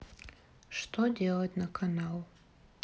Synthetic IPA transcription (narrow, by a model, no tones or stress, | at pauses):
ʂtʰodʲe̞lˠɐtʲnɐkʰanalˠ